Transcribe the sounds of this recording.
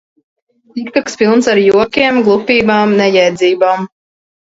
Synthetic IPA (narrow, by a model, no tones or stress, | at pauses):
t̪ikt̪akspilˠnsaɾjuɔkʲiɛmɡlˠupʲiːbaːmnɛjɛjd̪zʲiːbaːm